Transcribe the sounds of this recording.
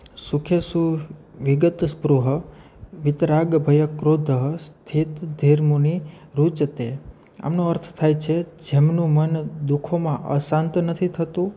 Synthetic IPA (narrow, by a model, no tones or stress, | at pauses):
sukʰjəsuʋɪɡət̪spɾuɦə | ʋɪt̪ɾaɡbʱəjəkɾod̪ʱəɦəst̪ʰit̪d̪ʱeɾmuniɾut͡ʃət̪e | a̰mnũəɾt̪ʰt̪ʰajt͡ʃʰed͡ʒemnũmənd̪ukʰomãʔə̰sãnt̪nət̪ʰit̪ʰət̪ũ